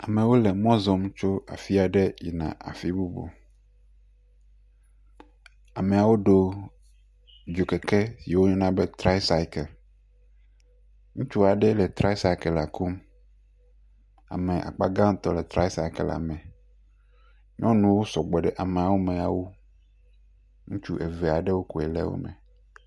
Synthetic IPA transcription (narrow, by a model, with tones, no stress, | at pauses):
a˨mẽ˨wo˦le˨mɔ̃˦zɔ˨mt͡ʃo˦a̰˨fi˦a˨ɖɛ˦jḭ˨nã̰˨ʔa̰˨fi˦bu˦bo̰˨ | a˨me˨a˨wo˦ɖo˦ | d͡ʒo˨ke˨kɛ˦si˨wo˦ɲɔ̃˦nã˦be˦t̪ɾa˦i˦sa˦i˦kɛ˨l | ŋũ˦t͡ʃu˦a˨ɖe˦le˨t̪ɾa˦i˦sa˦i˦kɛ˨la˨ku˦m | a̰˨mẽ˨ʔa̰˨k͡pa˦ɡã˦m˦t̪ɔ˦le˨t̪ɾa˦jsa˦i˦ke˨la̰˨mẽ˨ | ɲɔ̃˦nũ˨wo˦sɔ˨ɡ͡bɔ˨ɖe˦ʔa˨mẽ˨a˨wo˦mẽ˨a˨wu˦ | ŋũ˦t͡ʃu˦ʔe˨ve˨a˨ɖe˦wo˦ko˨e˨lḛ˦wo̰˦mḛ˨